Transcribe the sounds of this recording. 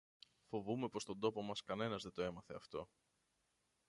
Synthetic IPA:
fo̞vume̞po̞st̪o̞nd̪o̞po̞mɐskɐne̞nɐzðe̞t̪o̞e̞mɐθe̞ɐft̪o̞

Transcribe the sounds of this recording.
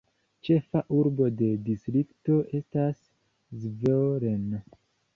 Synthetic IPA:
t͡ʃe̞faʔuɾbo̞de̞distɾikto̞ʔe̞stas | zveɾeno

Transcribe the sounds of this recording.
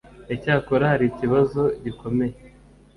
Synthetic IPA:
ecaːkoɾahaɾiciβazo̞ɟiko̞me̞je

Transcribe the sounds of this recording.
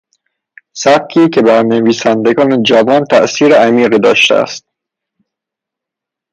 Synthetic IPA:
sæb̚kʰiːcʰe̞bæɾneviːsænd̪eɡɒːned͡ʒævɒːnt̪ʰæ̰ʔsiːɾeæmiːɣiːd̪ɒːʃt̪ḛæ̰st̪̚

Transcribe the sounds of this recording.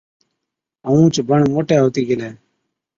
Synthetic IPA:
əũːt͡ʃbəɳmoːʈeːɦoːt̪iːɡɪleː

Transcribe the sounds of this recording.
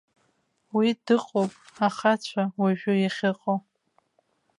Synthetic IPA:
widɨqʼowpʼaχat͡ɕʷʰawaʒᶣʊjaχʲɪqʼo

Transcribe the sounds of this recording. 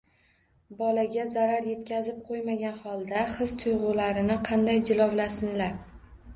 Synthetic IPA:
bɒlaɡʲazaɾaɾje̞t̪kʲazɪp̚qʰojmaɡʲanχɒlˠd̪aχɨz̥t̪ʰʊjʁʊlaɾɪnɪqʰɑnd̪ajd͡ʒɪlˠɒwlasɪnlaɾ

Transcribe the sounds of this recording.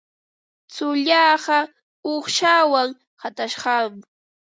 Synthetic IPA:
t͡sʊʎɑːɢɑ | oχʃawaŋ | hat̪aʃɢɑm

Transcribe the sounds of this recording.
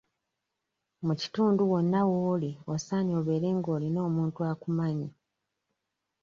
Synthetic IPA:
muci̥tuːnduwo̞nːawoːlio̞saːnio̞βe̞ːɾe̞ːŋɡo̞ːlino̞ːmuːntuakumaɲi

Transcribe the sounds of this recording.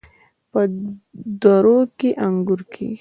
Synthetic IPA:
pə | d̪ɔɾokeʔaŋɡʊɾkʰḛ

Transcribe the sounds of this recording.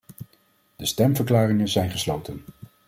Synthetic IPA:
d̥əstɛmvəɹklaːrɪŋənzɛjnχəslowtən

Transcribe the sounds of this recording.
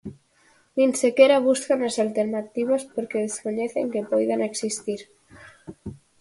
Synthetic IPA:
nĩnsekeɾaβ̞uskanasalt̪eɾnat̪iβaspoɾkeðeskoɲeθeŋkepojðaneksist̪iɾ

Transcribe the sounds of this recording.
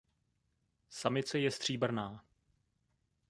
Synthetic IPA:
samɪt͡sɛjɛst̪r̥iːbr̩naː

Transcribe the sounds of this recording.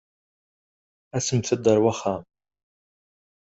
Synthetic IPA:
æsəmθəd̪əɾwaχːam

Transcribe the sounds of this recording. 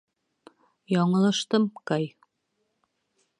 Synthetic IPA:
jɒɴɤ̆lˠɤ̆ʃt̪ɤmkɑj

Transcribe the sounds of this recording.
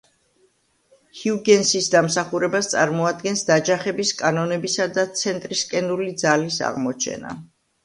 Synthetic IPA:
hiuɡɛnsisd̪amsaχuɾɛbast̪sʼa̰ɾmɔad̪̚ɡɛnsd̪ad͡ʒaχɛbiskʼanɔnɛbisad̪at̪sʰɛnt̪ʼɾiskʼɛnulid̪zalisa̰ʁmɔt͡ʃʰɛ̰na̰

